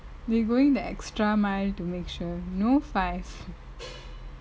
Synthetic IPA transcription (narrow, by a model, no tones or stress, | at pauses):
d̪eɡoːɪ̃ŋd̪əeksʈɾamaɪlʈumeːkʃuɾnoːfaɪf